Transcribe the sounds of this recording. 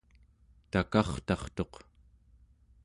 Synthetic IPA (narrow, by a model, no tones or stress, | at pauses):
t̪akɑχt̪ɑχt̪o̞q